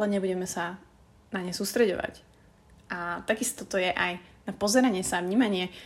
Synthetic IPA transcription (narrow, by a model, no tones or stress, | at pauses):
lɛɲɛbuɟɛmɛsa | naɲɛsuːst̪ɾɛɟɔ̰ʋa̰c | ʔat̪aɡist̪ɔt̪ɔjɛʔajnapɔzɛɾaɲɪɛsavɲiːmaɲɪɛ